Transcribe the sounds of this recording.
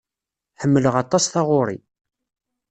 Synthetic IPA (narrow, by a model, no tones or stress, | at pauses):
ħəmːələʁɑt̪ˤːɑsθɑʁʊɾˤḭ